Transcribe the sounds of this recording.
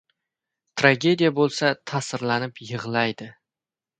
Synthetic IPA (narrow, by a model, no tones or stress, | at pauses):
t̪ʰɾaɡʲe̞d̪ijabolˠsat̪ʰasɪɾlanɪpjɨʁlˠajd̪ɪ